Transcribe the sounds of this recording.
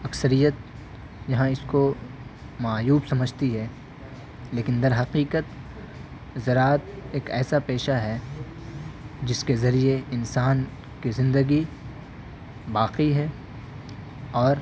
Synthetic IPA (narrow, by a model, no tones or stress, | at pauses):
ɐksəɾijət̪̚ | jɐɦãɪsko | maːjuːbsɐməd͡ʒʱt̪iɦɛ | leːkɪ̃nd̪ɐɾɦɐqiːqət̪ | zɐɾaːt̪̚eːkɛːsapeːʃaɦɛ | d͡ʒɪskezɐɾieɪnsaːn | kizɪ̃nd̪əɡi | baːqiɦɛ | ɔːɾ